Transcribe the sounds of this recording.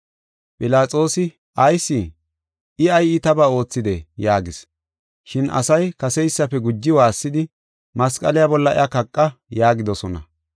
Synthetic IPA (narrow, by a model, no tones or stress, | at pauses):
pʼɪlaːt͡sʼo̞ːsɪ | ɐjsːɪ | ɪɐjɪt̪ɐbaːo̞ːt͡sːɪd̪ɛjaːɡɪs | ʃɪnʔɐ̰sɐjkɐsɛjsːɐpːɛɡʊd͡ʒːɪwaːsːɪd̪ɪ | mɐskʼɐlɪjabɔlːɐɪ̰ɐkɐkʼːɐjaːɡɪd̪ɔsɔnɐ̰